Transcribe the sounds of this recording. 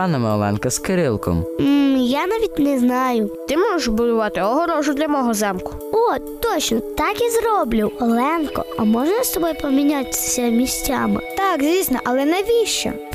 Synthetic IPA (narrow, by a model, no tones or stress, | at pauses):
ɑnɐmɪɔ̰lˠɛ̰nkɐskɪɾɪlˠkɔ̰mm̩janɑʋʲit̚ʲnɛznɑjʊt̪ɪmɔʒeʃbʊd̪ʊʋɑt̪ɪɔɦɔɾɔʒʊd̪lʲɐmɔɦɔzɛmkʊ̥ | o | t̪ɔt͡ʃnɔt̪ɑkizrɔblʲʊwɔlˠɛnkɔ̰ɐmɔʒnɐst̪ɔbɔjpɔmʲinʲat̪ʲssʲɐmʲisʲtʲamɪ̰t̪ɑkzʲʋʲisnɐʔɐlˠɛnɐjʋʲiʃt͡ʃɛ̰